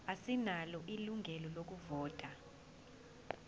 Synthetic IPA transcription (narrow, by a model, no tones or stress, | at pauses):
asinalɔʔiluŋʱɛlɔlok̬uvɔːtʼa